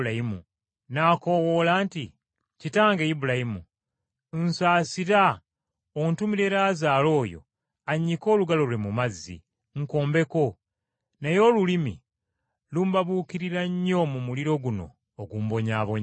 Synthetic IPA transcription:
aimṵ | naːko̞wo̞ːlaːnti | citaːŋɡeibulajimṵ | n̩saːsiɾa | ontumiɾe̞ɾaːzaːlo̞ːjo̰ | aɲːiko̞ːluɡalo̞lwe̞mumazːḭ | ŋ̩ko̞ːmbe̞ko̞ | nejo̞ːlulimḭ | lumbaβuːkiɾiɾaɲːo̞mumuliɾo̞ɡuno̞̰ː | ɡuːmbo̞ɲaβoɲ

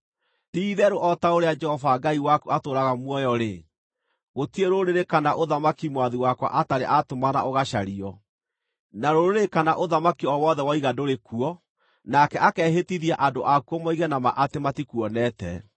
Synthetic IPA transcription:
tiðɛɾoʔɔtaoɾead͡ʒɛhɔvaɡaiwakuatoɾaɣamwɔjɔɾe | ɣotieɾoɾeɾekanaʔoðamakimwaðiwakwa̰ʔataɾḛʔatomana̰ʔoɣaʃaɾiɔ | naɾoɾoɾekanaʔoðamakiɔwɔðɛwaiɣadoɾekuɔ | nakɛʔakɛːɦetiðiaʔadoʔakuɔmɔiɣɛnamaʔatematikuɔnɛtɛ̰

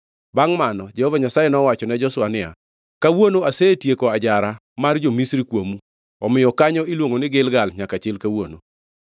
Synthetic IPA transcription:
baŋmanɔd͡ʒɛhɔvaɲasajɛnɔwat͡ʃɔnɛd͡ʒɔsʊwanɪa̰ | kawonoaseetjekoad͡ʒaɾa | mard͡ʒomisɾikwomu | ɔmɪjɔkaɲɔilwoŋonɪɡɪlɡalɲakat͡ʃɪlkawono̰

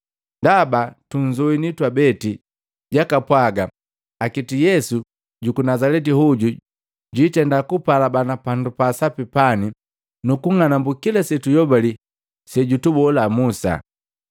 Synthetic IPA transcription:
ndabatuɲzɔinitwabɛti | ɟakapwaɡa | akitijɛsu | ɟukunazalɛt̬ihuɟu | ɟuitɛndakupalabanapandupasapipani | nukuŋanambukilasɛtujɔbali | sɛɟutubɔlamusa̰

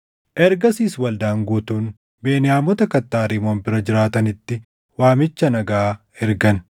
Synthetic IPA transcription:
ʔɛɾɡɐsiːswɐld̪aːŋɡuːt̪uːn | be̞ːnɪaːmɔt̪ɐkɐt̪ːaːɾimo̞ːnbɪɾɐd͡ʒɪɾaːt̪ɐnɪt̪ːɪ | waːmɪt͡ʃːɐnɐɡaː | ɛɾɡɐn

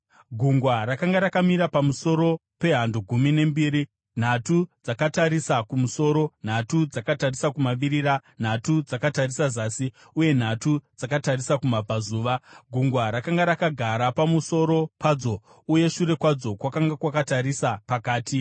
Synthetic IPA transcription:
ɡʱuŋɡwaɾakaŋɡaɾakamiɾapamuso̞ɾo̞pe̞ɦanduɡʱumine̞mbiːɾi | n̤atud͡zakataɾisakumuso̞ːɾo̞n̤atud͡zakatarisakumaʋiɾiɾan̤atud͡zakatarisazaːsi | uje̞n̤atud͡zakatarisakumab͡vʱazuːʋaɡʱuŋɡwaɾakaŋɡaɾakaɡʱaɾapamuso̞ɾo̞paːd͡zo̞ | uje̞ʃuɾe̞kwad͡zo̞kwakaŋɡakwakataɾisapakaːtʰi

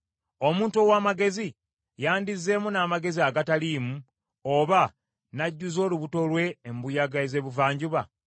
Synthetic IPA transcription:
o̞muːntuowaːmaɡe̞zi | jaːndizːe̞munaːmaɡe̞ziaɡataliːmu | oβa | naɟːuzo̞ːluβuto̞lwe̞ːmbujaɡaeze̞βuvaːɲɟuβa

